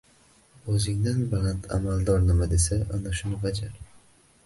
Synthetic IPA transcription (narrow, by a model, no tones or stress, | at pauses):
ɵzɪŋd̪anbalant̪ʰa̰malˠd̪ɒɾnɪmad̪esaʔanaʃʊnɪbad͡ʒaɾ